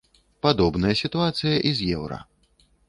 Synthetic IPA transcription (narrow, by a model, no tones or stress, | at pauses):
pad̪ɔbnɐjɐsʲit̪uat̪sɨjɐʔizʲjɛwɾɐ̰